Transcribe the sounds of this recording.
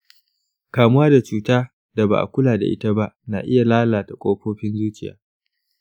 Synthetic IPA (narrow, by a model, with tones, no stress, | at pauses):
kaː˨mʊ˦waː˦da˨t͡ʃuː˨taː˦ | da˨ba̰˨ʔa̰˨kʷʊ˦laː˨da̰˨ʔɪ̰˦ta˦ba˦ʔna̰ː˨ʔɪ˦ja˨laː˦laː˨ta˨kʷʼoː˦ɸoː˦ɸɪ˦nzuː˦t͡ʃɪ˨ja̰ː˦